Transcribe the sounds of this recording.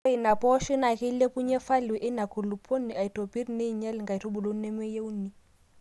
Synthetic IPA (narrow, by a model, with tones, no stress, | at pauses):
i˨na˨pɔ˦ʃi˦na˨ke˦le˦pu˦ɲɛ˦fa˦lwɛ˨ʔɪ˦na˨ku˨lu˨pʰo˦ni˨a˨i˨to˨pi˦ri˨˦ne˦i˨ɲɛ˦lɪ˨ŋɡa˨i˨tʰo˦bu˨lo˦n̩˦ne˦mwe˦je˦u˦ni˦